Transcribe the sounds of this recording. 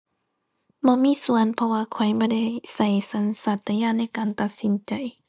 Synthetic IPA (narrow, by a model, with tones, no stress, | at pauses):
bɔː˧˥miː˧˥˨su˨˦ənpʰɔ˧waː˧kʰɔ˨˩jbɔː˧˦da˧˥˩jsa˧˩jsa˨˦nsa˧˩t̪ːa˧jaː˧˨ŋna˧˥˨jkaː˨nt̪a˨˩t̪̚si˨˦nt͡ɕa˨j